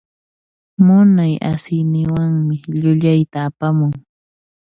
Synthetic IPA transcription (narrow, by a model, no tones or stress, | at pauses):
mʊnaja̰sɪjnɪwaŋmɪʎʊʎajt̪aːpamʊŋ